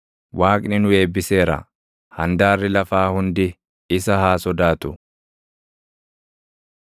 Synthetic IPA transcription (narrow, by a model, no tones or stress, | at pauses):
wʔaːkʼnɪnʊe̞ːbːɪse̞ːɾɐ̰ | hɐnd̪aːrːɪlɐfaːhʊnd̪ɪ | ɪsɐhaːsɔd̪aːt̪ʊ